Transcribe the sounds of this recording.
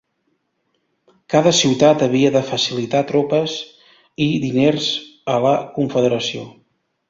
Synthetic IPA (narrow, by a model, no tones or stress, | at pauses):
kaðəsiwt̪at̪əβ̞iəðəfəsilit̪at̪ɾopəz | iðinerzələkuɱfəðəɾəsio